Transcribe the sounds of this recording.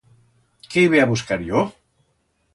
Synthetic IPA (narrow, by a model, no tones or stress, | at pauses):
keiβeaβuskaɾjo